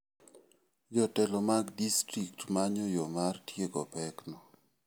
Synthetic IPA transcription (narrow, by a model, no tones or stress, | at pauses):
jɔtɛlɔmaɡdistɾiktmaɲɔjɔmartjeɡɔpɛknɔ